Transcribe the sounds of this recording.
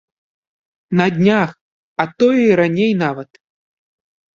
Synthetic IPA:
nɐd̪ʲnʲax | ɐt̪ɔjɛiɾanʲejnavɐt̪

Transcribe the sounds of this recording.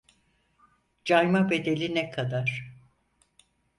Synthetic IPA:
d͡ʒajmabe̞d̪e̞lʲinɛkʰad̪aɾ̥

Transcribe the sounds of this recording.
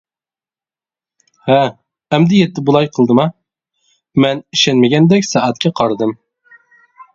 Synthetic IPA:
hæː | md̪ɪjɛt̪ːɪbulˠɑjqʰəlˠd̪ɨmɑ | mɛniʃɛnmɪɡʲɛnd̪ɛkʲsɑʔæt̪̚kʲʰɛqʰɑɾd̪ɨm

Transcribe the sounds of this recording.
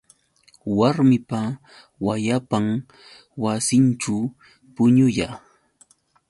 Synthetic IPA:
waɾmɪpa | wajapaŋ | wasɪnt͡ʃa | pʊɲʊjaː

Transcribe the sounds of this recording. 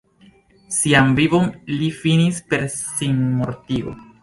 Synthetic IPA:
siamvivo̞nlifinispe̞ɾsinmo̞ɾtio̰

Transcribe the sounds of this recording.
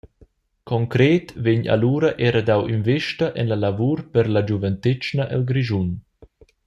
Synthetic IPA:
kʰɔŋkɾeːt̪veɲa̰luːɾɐʔɛːɾad̪awinveʃtaʔɛnlalavuːɾpɛɾlad͡ʒuvɛnt̪et͡ʃnaʔɛ̰lɡɾiʒun

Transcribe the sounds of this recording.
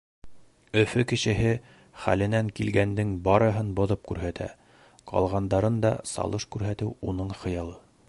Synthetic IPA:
ɵ̆fɵkɘ̆ʃɘ̆ɦɘ | χæ̰lɘ̆næŋkilɡænd̪ɘŋbɑɾɤ̆ɦɤnbŏðɤp̚kʉɾɦæt̪æ̰ | qɑ̰lˠʁɑnd̪ɑɾɤnd̪ɑ̰sɑ̰lˠɤʃkʉɾɦæt̪ɘwunɤɴχɤ̆jɑlˠɤ

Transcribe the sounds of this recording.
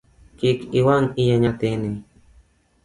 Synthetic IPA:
kikiwaŋijaɲat̪eni

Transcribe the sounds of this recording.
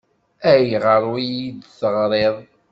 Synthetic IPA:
æjiʁəɾˤwijid̪θəʁɾˤeðˤ

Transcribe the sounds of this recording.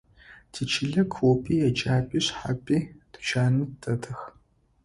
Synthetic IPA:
tʰit͡ʃʰɪɮɐkʷʰopʰʼiːjɛt͡ʃʼaːpʼiːɕħa̰pʼiːtʰɨt͡ʃʰaːnɨtʰɐtʰɐx

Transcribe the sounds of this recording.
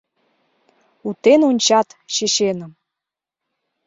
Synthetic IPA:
ut̪enonʲt͡ɕɑt̪ʃeɕenəm

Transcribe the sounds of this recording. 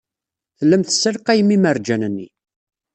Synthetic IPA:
θəlːəmθəsːəlqæjəmimərd͡ʒænənːḭ

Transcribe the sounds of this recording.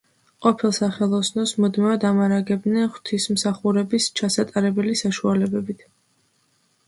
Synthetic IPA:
qʼɔpʰilˠsaχɛlˠɔsnɔsmud̪mɛvad̪amaɾaɡɛbnɛnχwt̪ʰismsaχuɾɛbist͡ʃʰasat̪ʼaɾɛbɛlisaʃualɛbɛbit̪ʰ

